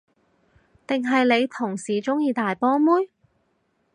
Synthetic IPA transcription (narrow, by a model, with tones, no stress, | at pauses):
t̪ɪ˨ŋɦɐ˨jle˨˧jt̪ʰʊ˨˩ŋsiː˨t͡sʊ˥ŋjiː˧t̪aː˨jpɔː˥muː˥j